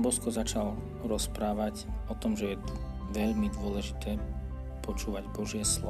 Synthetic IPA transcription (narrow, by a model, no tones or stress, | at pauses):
bɔskɔzat͡ʃal | ɾɔspɾaːʋacɔt̪ɔmʒɛjɛ | ʋɛʎmid̪ʊɔlɛʒit̪ɛː | pɔt͡ʃuːʋaɟbɔʒɪɛslɔ